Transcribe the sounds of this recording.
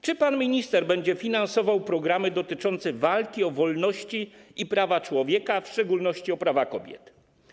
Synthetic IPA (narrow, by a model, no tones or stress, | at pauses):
t͡ʂɘpanmʲiɲist̪ɛɾbɛɲd͡ʑɛfʲinansɔvawpɾɔɡɾamɘd̪ɔt̪ɘt͡ʂɔnt̪sɛvalkʲiɔvɔlnɔɕt͡ɕiʔipɾavat͡ʂwɔvʲjɛkafʂt͡ʂɛɡulnɔɕt͡ɕiɔpɾavakɔbʲjɛ̰t̪